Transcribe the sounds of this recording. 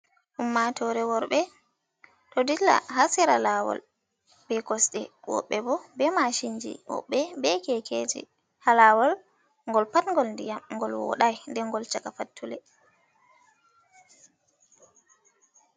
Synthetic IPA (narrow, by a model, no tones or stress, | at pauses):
ʔumːatɔɾɛwɔɾɓɛ | tɔdila̰ɦasiɾalawɔ̰l | b̥ɛkɔsɗɛ | wɔ̰ɓːɛbɔbɛmaʃiɲd͡ʒḭwɔ̰ɓːɛbɛkɛkʰed͡ʒḭ | halawɔl | ŋɡɔlpatŋɡɔlndijamŋɡɔlwɔ̰ɗajndɛŋɡɔlt͡ʃakafatʰːulɛ